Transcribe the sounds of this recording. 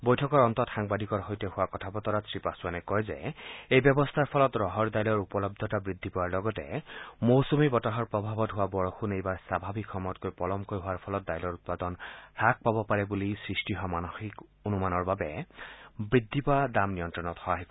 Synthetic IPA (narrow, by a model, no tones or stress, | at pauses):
bojtʰɔkɔɹɔnt̪ɔtxaŋbadʱikɔɹɦojtɛhʊwakɔtʰapɔtɔɹasɹipasuanɛkɔjzɛ̰ejbjɔbɔst̪ʰaɹpʰɔlɔtɹɔɦɔɹdajlɔɹupɔlɔb̚d̪ʱɔtabɹid̪ʱːipɔwaɹlɔɡɔtɛ̰mowsumibɔtaɦɔɹpɹɔbʱabɔtɦʊwabɔɹxunejbaɹsabʱabʱikʰːɔmɔtkojpɔlɔmkojɦʊwaɹpʰɔlɔt̚dajlɔɹut̚padɔnɹak̚pabɔpaɹɛbulisɹistiɦɔmanoxikonumanɔɹbabɛ | bɹidʱːipɔadamnijɔntɹɔnɔthɔaɦɛk